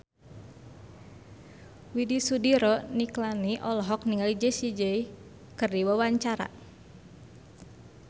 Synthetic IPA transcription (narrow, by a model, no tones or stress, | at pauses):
widisudiɾɔniklaniʔɔlɔɦɔk̚niŋalid͡ʒəsid͡ʒəi | kɨrdiwawaɲt͡ʃaɾa̰